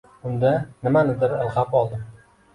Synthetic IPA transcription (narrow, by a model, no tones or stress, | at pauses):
ʊnd̪anɪmanɪd̪ɪɾalˠqɑpɒlˠd̪ɪm